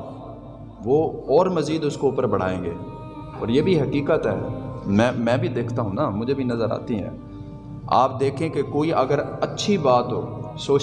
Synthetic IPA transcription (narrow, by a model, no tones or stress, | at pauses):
ʋoːɔːɾmɐziːd̪ʊskoʊpəɾbɐɽ̤a̰ːḛ̃ːŋɡeː | ɔ̰ːɾjeːbʱiɦɐkiːkət̪ɦɛːmɛ̃ːmɛ̃ːbʱid̪eːkʰt̪aɦũnaːmʊd͡ʒʱebʱinɐzəɾa̰ːt̪iɦɛ̰̃ː | a̰ːp̚d̪eːkʰẽkekoːiʔɐɡəɾɐtːʃʰibaːt̪ɦoːsoːt͡ʃ